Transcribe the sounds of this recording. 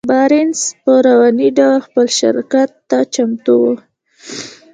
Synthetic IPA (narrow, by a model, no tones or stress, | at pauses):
bɑɾɪnspəɾawɑniɖawlxpəlʃɪ̰ɾkat̪ːat͡ʃamt̪uwo